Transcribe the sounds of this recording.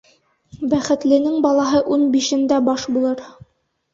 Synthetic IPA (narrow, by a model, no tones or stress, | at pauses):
bæχɘ̆t̪lɘ̆nɘŋbɑlˠɑɦɤʔunbiʃɘ̆nd̪æbɑʃbulˠɤɾ